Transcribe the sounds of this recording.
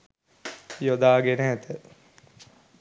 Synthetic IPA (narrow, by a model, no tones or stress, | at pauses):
jod̪aːɡenɛːt̪ə